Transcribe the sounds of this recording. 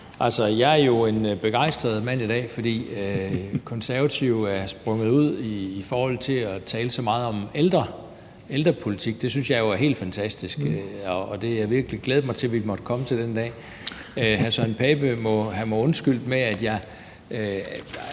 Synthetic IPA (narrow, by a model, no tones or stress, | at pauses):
ʔælsɒjɑ̈ɪæɐjo̝e̝nb̥e̝ɡ̥ɑ̈ɪ̰sd̥ʁɐð̞̩ˠmæn̰id̥ɛ̰ːfɒd̥ḭːøkʰɒ̽nsæɐʋæt͡sʰiʊæɐsb̥ʁɔ̽ŋð̩ˠuð̞̰ˠiːfɒːhɒ̽l̰t͡sʰe̝ɒt͡sʰɛːləsɒ̽mɑ̈ːð̞̩ˠɒ̽meld̥ʁɐ | eld̥ʁɐpʰo̝lit͡sʰiɡ̥̚d̥e̝synsjɑ̈ɪjo̝æɐɦe̝̰ːld̥fænt͡sʰæsd̥isɡ̥ɒːd̥e̝jɑɪʋiɐɡ̥əliɡ̥leːð̞̩ˠmɑ̈ɪt͡sʰe̝lʋimɒ̽d̥əkʰɒ̽mət͡sʰe̝ld̥end̥ɛ̰ː | øhæsænpʰɛb̥əmɒ̽hæmɑɪɔ̽nsɡ̥yl̰d̥meæd̥jɑ̈ɪ